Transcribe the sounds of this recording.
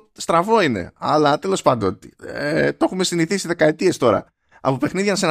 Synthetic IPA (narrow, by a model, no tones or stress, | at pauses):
st̪ɾɐvo̞ine̞̰ɐlɐt̪elo̞spɐnd̪ot̪iet̪o̞xume̞siniθisiðe̞kɐe̞t̪ie̞st̪o̞ɾɐ̰ | ɐ̰po̞pe̞xniðʝɐnsen